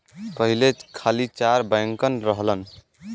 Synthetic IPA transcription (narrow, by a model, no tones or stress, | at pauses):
pəɦilet͡ʃkʰalit͡ʃaɾbəjŋkənɾəɦlən